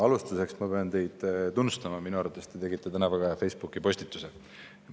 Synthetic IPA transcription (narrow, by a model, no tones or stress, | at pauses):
ɑlust̪use̞ksmɑpe̞ɑnt̪e̞jd̪̥t̪unːust̪ɑmɑminuɑɾrvɑt̪ːˑest̪e̞t̪e̞ɡit̪ːˑet̪ænɑvɑɡɑjɑfejsb̥ukːˑipo̞sʲt̪it̪ːˑuse